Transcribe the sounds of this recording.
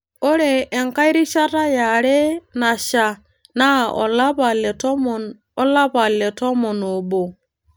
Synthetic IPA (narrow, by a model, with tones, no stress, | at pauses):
o˦ɾeː˨ŋka˦jɾi˦ʃa˦ta˦ja˨ɾe˦na˨ʃa˨ | na˦˨o̰˨la˦ba˨le˨to˦m˨n | o˦la˦ba˨le˨to˦mo˨no˨bo˨